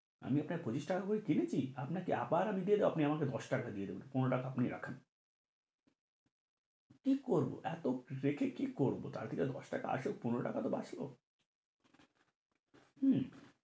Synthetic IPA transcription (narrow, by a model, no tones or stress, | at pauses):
a̰miapnakepɾot͡ɕiʃʈakakoɾikinet͡ɕʰiapnakea̰baɾamid̪ijed̪eboapniamaked̪ɔʃʈakad̪ijed̪ebonpunɾoʈakaapniɾa̰kʰen | kikoɾbo̰ʔɛt̪oɾekʰekikoɾbo̰t̪a̰ɾt̪ʰiked̪ɔʃʈaka̰a̰ʃok̚punoɾoʈakat̪oba̰t͡ɕʰlo̰ | h̩